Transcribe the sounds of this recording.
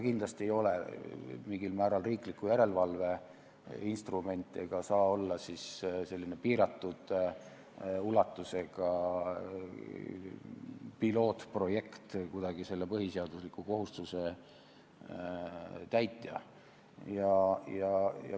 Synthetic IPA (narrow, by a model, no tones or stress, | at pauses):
kind̪lɑst̪iejo̞lḛmiŋɡ̥ilmæːɾɑlriːklikːujæɾe̞lvɑlve̞ | inst̪rume̞nʲt̪ːˑeɡ̥ɑsɑːo̞lːɑsisse̞lːinepiːɾɑt̪ːˑud̪̥ | ulɑt̪ːˑuse̞ɡ̥ɑ | pilo̞ːt̪pro̞je̞kt̪kud̪̥ɑɡ̥ise̞lːe̞pɤhiseɑd̪̥uslikːˑuko̞ɦust̪use̞ | t̪æjt̪ːˑjɑ̰ | jɑjɑjɑ̰